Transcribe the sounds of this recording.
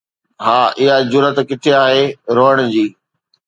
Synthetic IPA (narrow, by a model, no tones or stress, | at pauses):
ɦaːʔɪɦad͡ʑʊɾət̪kɪt̪ʰeaːɦeɾoːəɽ̃d͡ʑiː